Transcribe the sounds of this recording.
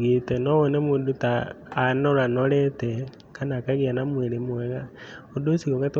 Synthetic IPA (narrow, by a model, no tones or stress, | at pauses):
ɣitɛnɔwɔnɛmudutaːnɔɾanɔɾɛtɛ | kanakaɣianamweɾemwɛɣaodosiɣɔɣate